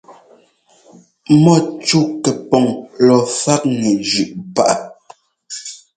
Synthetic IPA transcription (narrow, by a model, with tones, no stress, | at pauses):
mɔ˦˨t͡ʃu˦kɛ˨pɔ˨ŋlɔ˨fa˦k̚ŋɛ˨d͡ʒʉ˨ʔpa˦˨ʔa˨